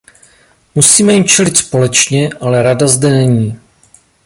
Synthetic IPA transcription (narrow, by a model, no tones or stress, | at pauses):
musiːmɛjɪmt͡ʃɛlɪt̪spo̞lɛt͡ʃɲɛʔalɛɾadazdɛnɛɲiː